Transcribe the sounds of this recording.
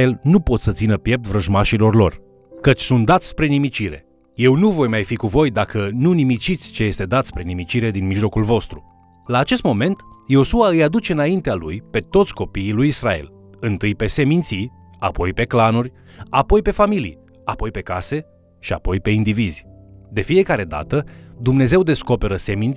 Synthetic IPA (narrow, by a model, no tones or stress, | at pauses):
elnupo̞t̪sət̪sinəpje̞p̚t̪vɾəʒmaʃilo̞rlo̞̰r | kət͡ʃʲsunt̪̚d̪at̪sspɾe̞nimit͡ʃiɾe̞̰ | je̞wnuvo̞jmajfikuvo̞jd̪akənunimit͡ʃit̪sʲt͡ʃe̞je̞st̪e̞d̪at̪spɾe̞nimit͡ʃiɾe̞d̪inmiʒlo̞kulvo̞st̪ɾu | laːt͡ʃe̞st̪mo̞me̞nt̪jeo̞suaɨjad̪ut͡ʃe̞ɨnaint̪ealujpe̞t̪o̞t̪sʲko̞piːlujisɾa̰e̞̰l | ɨnt̪ɨjpe̞se̞mint̪si | a̰po̞jpe̞klanurʲ | apo̞jpe̞familḭj | apo̞jpe̞kase̞ | ʃia̰po̞jpe̞ind̪ivizʲd̪e̞fije̞kaɾe̞d̪a̰t̪əd̪umne̞ze̞wd̪e̞sko̞pe̞ɾəse̞mint̪